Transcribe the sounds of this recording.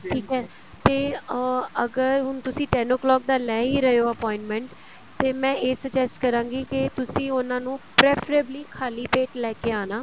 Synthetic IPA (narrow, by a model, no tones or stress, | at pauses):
ʈʰiːkɦɛː | t̪eː | əɡəɾɦʊnt̪ʊsĩːʈɛːnõːklɔːk̚d̪aːlɛːiːɾəɦeoːəpɔːɪ̃ɳʈmɛ̃ɳʈ | t̪eːmɛ̃ːeːsəkd͡ʒɛsʈkəɾãːŋɡiːkɪt̪ʊsĩːʊnãːnũːpɾɛːfʰəɾəbliːkʰaːliːpeːʈlɛːkeːaːnaː